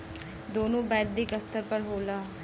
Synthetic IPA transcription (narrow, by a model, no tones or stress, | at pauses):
d̪oːnõːbɛːd̪̚d̪iːkəst̪əɾpəɾɦoːlaː